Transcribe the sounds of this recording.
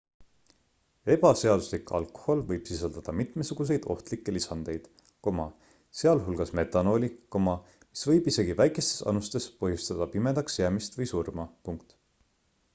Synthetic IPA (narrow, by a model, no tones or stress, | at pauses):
e̞b̥ɑse̞ɑd̪̥uslikˑɑ̰lko̥ho̞lvɤjb̥sisɑld̪̥ɑd̪̥ɑmit̪ˑmesuɡ̥us̬e̞jd̪̥o̞̰ht̪likːe̞lisɑnd̪̥e̞jd̪̥ | ko̞mɑ | seɑlɦulɡ̥ɑsme̞t̪ːˑɑno̞ːlʲiko̞mɑ | mi̥svɤ̞jbise̞ɡivæjkˑe̞st̪e̞̥sɑ̰nust̪e̞spɤɦjust̪ɑd̪̥ɑpime̞d̪ɑkseɑmist̪vɤjsurmɑpuŋkt̪